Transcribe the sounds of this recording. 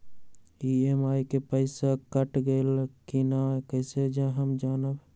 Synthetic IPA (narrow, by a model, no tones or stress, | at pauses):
iemajkepəɪsakəʈɡelkinakəɪsed͡ʒaɦəmd͡ʒaːnəb